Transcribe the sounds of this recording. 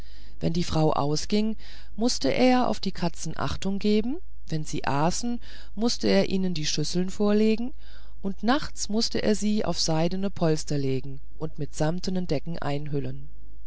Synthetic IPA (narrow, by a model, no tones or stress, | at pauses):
vɛndiːfʁ̥aʊʔa̰ʊsɡ̥ɪŋ | mʊstəʔeːɐʔa̰ʊfd̥iːkʰat͡sn̩ʔa̰χtʊŋɡeːbm̩ | vɛnziːʔaːsn̩ | mʊstəeːɐʔiːnəndiːʃʏsl̩nfoːɐleːɡŋ̩ | ʔʊntnaχt͡smʊstəʔḛːɐziːʔa̰ʊfz̥aɪdənəpʰɔlstɐleːɡŋ̩ | ʔʊntmɪtz̥amtənəndɛkŋ̩ʔa̰ɪnɦʏlən